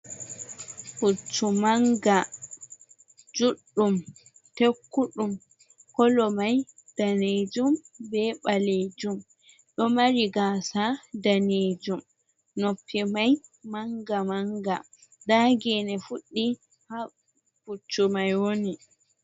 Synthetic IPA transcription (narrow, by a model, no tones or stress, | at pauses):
fut͡ʃːumaŋɡa | d͡ʒuɗːum | tekːuɗum | kɔlɔmajd̥aned͡ʒumbɛɓaled͡ʒum | ɗɔmaɾiɡasadaned͡ʒum | nopʰːimajmaŋɡamaŋɡa | daːɡɛnɛfuɗːi | ha | fut͡ʃːumajwoni